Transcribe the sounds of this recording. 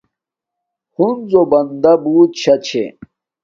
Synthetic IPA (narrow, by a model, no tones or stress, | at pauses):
hunzobɐnd̪ɐbuːt̪ɕɐt͡ɕʰḛ